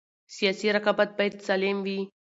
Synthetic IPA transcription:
sijaːsiɾakabat̪̚bajt̪saleːmʋi

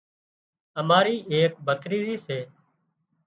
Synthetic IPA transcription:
əmaːɾiːeːk̚bʱəkʰɾiːziːseː

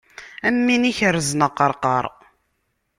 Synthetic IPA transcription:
æmːiniçəɾznəqːəɾˤqəɾˤ

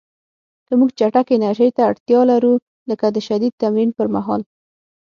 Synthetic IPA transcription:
kəmuɡt͡ʃaʈakɪnaɾʒəjt̪aaɽt̪jɑlaɾu | ləkad̪əʃad̪id̪̚t̪amɾinpəɾmaɦɑl

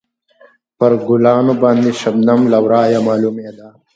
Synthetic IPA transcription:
pəɾɡʊlɑːnobɑːnd̪iʃɐbnɐmlawɾɑːjamɑːlumed̪aː

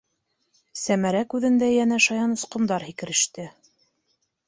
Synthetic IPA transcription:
sæmæɾækʉðɘ̆nd̪æjænæʃɑjɑnŏsqŏmd̪ɑɾhikɘ̆ɾɘ̆ʃt̪ɘ

